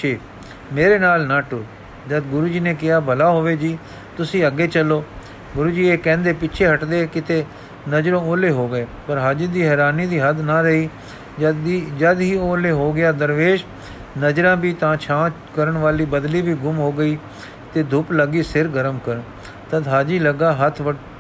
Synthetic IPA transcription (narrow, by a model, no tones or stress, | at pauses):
t͡ʃʰeː | meːɾeːnaːlnaːʈo | d͡ʒəd̪ɡʊɾuːd͡ʒiːneːkɪaːbʱəlaːɦoːʋeːd͡ʒiː | t̪ʊsĩːəɡeːt͡ʃəlːoː | ɡʊɾuːd͡ʒiːeːkɛ̃ːnd̪eːpɪt͡ʃʰeːɦəʈd̪eːkɪt̪eː | nəd͡ʒɾõːoːleːɦoːɡəeːpəɾɦad͡ʒid̪iːɦɛːɾaːniːd̪iːɦəd̪naːɾəɦiː | d͡ʒəid͡ʒəd̪ɦiːoːleːɦoːɡɪjaːd̪əɾʋeːd͡ʒ | nəd͡ʒɾãːbiːt̪ãːt͡ʃʰãː | kəɾəɳʋaːliːbəd̪liːbiːɡʊmɦoːɡəiː | t̪eːd̪ʱʊpləɡiːsɪɾɡəɾəmkəɾən | t̪əd̪ɦaːd͡ʒiːləɡaːɦət̪ʰʋəʈ